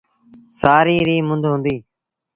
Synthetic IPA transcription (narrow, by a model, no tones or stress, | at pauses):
saːɾiːɾiːmʊ̃nd̪ʱɦʊ̃ːnd̪iː